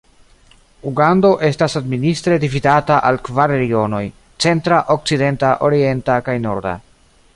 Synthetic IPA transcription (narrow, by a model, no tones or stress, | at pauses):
uɡando̞ʔe̞stasadministɾe̞dividataʔalkvaɾɾeɡio̞no̞j | t͡se̞ntɾaʔok̚t͡side̞ntaʔo̞ɾie̞ntakajno̞̰ɾda̰